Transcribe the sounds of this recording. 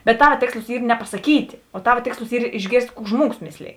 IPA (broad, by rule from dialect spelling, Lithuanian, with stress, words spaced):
bʲɛt ˈtɑːʋɐ ˈtʲeːkslˠʊs ˈiː nʲɛpɐsɐˈkʲiːtʲ oː ˈtɑːʋɐ ˈtʲeːkslˠʊs ˈiːr ɪʒʲˈɡʲeːrʲsʲtʲ ˈkuː ˈʒmuɔɡʊs ˈmʲeːsʲˌlʲeːj